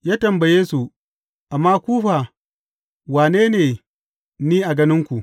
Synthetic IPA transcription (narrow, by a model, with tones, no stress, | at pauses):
jaː˦tɐ˨mbɐ˨jeː˦su˨ | ʔa˨mːaː˦kʷuː˦ɸaː˨ | waː˨neː˦neː˨ | niː˦ʔa˨ɡɐ˦nɪ˦ŋkʷu˨ʔ